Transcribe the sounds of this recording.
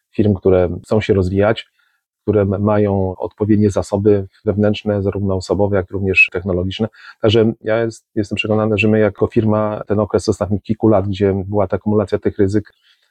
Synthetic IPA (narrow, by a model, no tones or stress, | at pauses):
fʲiɾmkt̪uɾɛsɔ̃w̃ɕɛɾɔzvʲijat͡ɕ | kt̪uɾɛmajɔ̃w̃ɔ̰t̪̚pɔvʲjed̪ɲɛzasɔbɘvɛvnɛntʂnɛzaɾuvnɔɔsɔbɔvɛjakɾuvɲɛʂt̪ɛxnɔlɔɡʲit͡ʂnɛt̪aɡʐɛjajɛst̪jɛst̪ɛmpʂɛkɔnanaʐɛmɘjakʰɔfʲiɾmat̪ɛnɔkɾɛsɔst̪at̪ɲixkʲilkulad̪ɡd͡ʑɛbɘwat̪aːkumulat̪sʲjat̪ɘxɾɘzɘk